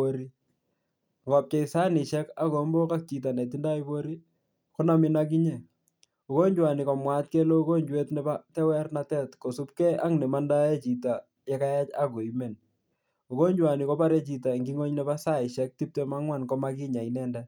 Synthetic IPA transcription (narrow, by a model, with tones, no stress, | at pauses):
oɾi˦ | ŋɡɔ˨p̚t͡ʃɔ˨i˨sa˦nɪ˨ʃɛ˦ka˦kɔ˨˦mbɔ˦ka˦k̚t͡ʃi˨t̬a˨nɛ˨t̬i˦nda˦i˦bo˦ɾi˦ | kɔ˦na˨mɪ˦nak̬i˦ɲɛ˨ | u˨ko˦ɲd͡ʒwa˨ni˨kɔ˨mwa˦t̚kɛ˦lo˦u˦ko˦ɲd͡ʒwe˦tnɛ˨ba˦tɛ˦wɛ˦rnatɛ˦tko˨su˦p̚kɛ˦a̰˦ŋnɛ˨ma˦nda˦ɛ˦t͡ʃi˨ta˨ | jɛ˦ka˦ja˦t͡ʃa˦kɔ˨i˨me˨n | o˨ko˦ɲd͡ʒwa˨ni˨kɔ˦pa˦ɾɛ˦t͡ʃi˨t̬a˨ŋɡi˦ŋo˦ɲnɛ˨ba˦sa˦ɪ˨ʃɛ˦k̚ti˦p̚tɛ˦ma˦ŋwa˦˨nkɔ˦ma˦kɪ˦ɲa˨inɛ˦ndɛ